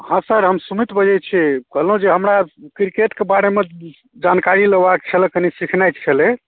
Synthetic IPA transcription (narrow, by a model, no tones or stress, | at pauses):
hãsəɾɦəmsumit̪bəd͡ʒɛt͡ʃʰɛkəɦlũd͡ʒeɦəmɾakɾikeʈkebaɽeme | d͡ʒankaɾiləɡbak̚t͡ʃʰəlɛkənisikʰnajtt͡ʃʰəle